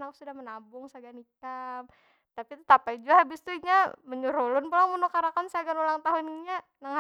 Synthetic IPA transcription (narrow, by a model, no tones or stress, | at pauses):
naksudahmənabʊŋsaɡanikam | t̪apit̪ut̪apaid͡ʒuaɦabɪst̪uiɲaməɲuɾulʊnpulaŋmunukaɾakansaɡanulaŋt̪aɦuniɲanaŋha